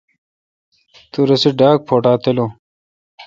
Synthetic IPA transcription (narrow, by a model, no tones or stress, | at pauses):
t̪uɾɐsiɖaːk̚pʰoːʈaːt̪elo